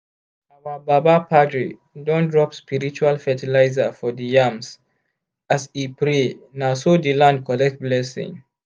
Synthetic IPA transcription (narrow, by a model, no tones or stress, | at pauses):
awababapʰadɹḭ | dɔ̃ndɹɔpspiɹit͡ʃualfɛtilaɪzafɔdijams | asipɹenasodilãnd̚kɔlɛk̚t̚blɛsḭ̃ŋ